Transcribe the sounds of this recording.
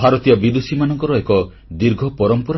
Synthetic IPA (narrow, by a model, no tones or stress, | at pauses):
bʱaɾɔt̪ijɔbid̪usimanɔŋkɔɾɔekɔ | d̪iɾɡʱɔpɔɾɔmpɔɾ